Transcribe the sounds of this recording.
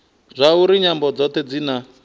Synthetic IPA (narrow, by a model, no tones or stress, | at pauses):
zʷauɾiɲambɔd͡zɔt̪ʰɛd͡zina